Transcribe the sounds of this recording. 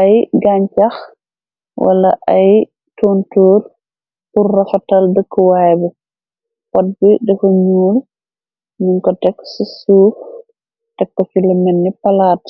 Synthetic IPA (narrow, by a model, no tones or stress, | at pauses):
ɐjɡaɲt͡ʃɐx | wʔɐ̰lɐʔɐj | toːntoːr | purːɐfɐtɐldəkːəwajbɛ | pɔt̚bidɛkɔɲuːl | miŋkɔtɛkːsisuːf | tɛkːɔfilɐmɛnːipɐlaːt